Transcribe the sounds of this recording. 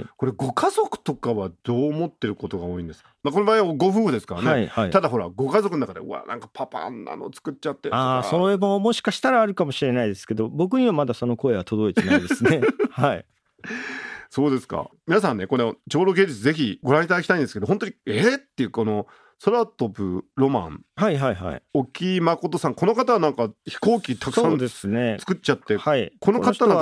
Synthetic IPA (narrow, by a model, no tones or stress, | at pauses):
ko̞ɾe̞ɡo̞kazo̞kɯ̟̥t̪o̞kaβad̪o̞ːmo̞t̪ːe̞ɾɯ̟ko̞t̪o̞ɡao̞ːĩnd̪e̞sɨ̥kḁmakono̞baːijβaɡo̞ɸɯ̟ːɸɯd̪e̞sɨ̥kaɾaneihait̪ad̪aɦo̞ɾa̰ɡo̞kazo̞kɯnonakad̪e̞ɯ̟̰a̰nã̰ŋkapʰapa̰nːa̰no̞̰t͡sɨ̥kɯ̟t͡ɕːat̪ːeaːsooemo̞mo̞ɕi̥kaɕi̥t̪aɾaːɾɯ̟kamoɕiɾe̞naid̪e̞sɨ̥ke̞d̪o̞bo̞k̬ɯ̟ɲ̟iβamad̪aso̞no̞ko̞e̞β̞at̪o̞d̪o̞it̪e̞naid̪e̞sɨne̞haḭ | so̞ːd̪e̞sɨ̥ka̰mʲinas̬ãnːe̞ko̞net͡ɕo̞ːɾoɡ̬e̞d͡ʑit͡sɨze̞çiɡo̞ɾãɲ̃ːit̪ad̪akʲi̥t̪aĩnd̪esɨked̪oɦont̪oɲiet̪ːejɯ̟kono̞ | soɾaːt̪obɯ̟̰ɾo̞mã̰nhaiɦaiɦa̰ḭo̞kʲimako̞t̪o̞sãŋko̞no̞kat̪aβanãŋkaçi̥ko̞ːkʲit̪ʰakɯ̟soãnd̪e̞sɨne̞t͡sɨ̥kɯt͡ɕat̪ːe̞haikʰo̞nokaç̪an